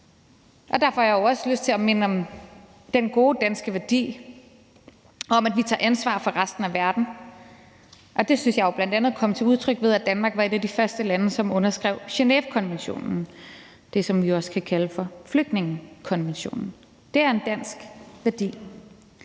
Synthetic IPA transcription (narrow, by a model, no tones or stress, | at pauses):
ʔɒ̽d̥æɐfɒjɑ̈joʊɒ̽səløsd̥̚t͡sʰe̝lɒme̝nəɒ̽m | d̥enɡ̥o̝ːd̥æn̰sɡ̥əʋæɐd̥ḭː | ɒ̽mædʋit͡sʰɑ̰̈ːʔænsʋɑ̰̈fɒ̽ʁasd̥n̩æʋæɐd̥n̩ | ʔɒ̽d̥e̝synsjɑ̈ɪob̥lænd̥ænðˠkʰɒ̽mət͡sʰe̝uð̞ˠt͡sʰʁœɡ̥ʋeð̞ˠæd̥ænmɑ̈ːɡ̥ʋɑ̈e̝ɾæd̥ifɶɐsd̥əlænəsɒ̽mɔ̽nɐsɡ̥ʁɛʊ̰ɕe̝nḛʋkʰɒ̽nʋenɕo̝̰ːnn̩ | d̥e̝sɒ̽mʋiɒ̽sə̥kʰækʰæləfɒ̽fløɡ̥d̥ne̝ŋəkʰɒ̽nʋenɕo̝̰ːnn̩ | d̥e̝æɐe̝nd̥æn̰sɡ̥ʋæɐd̥ḭː